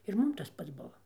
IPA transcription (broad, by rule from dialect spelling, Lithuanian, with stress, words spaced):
ɪr ˈmʊm tɐs ˈpɐts ˈbʊʋɐ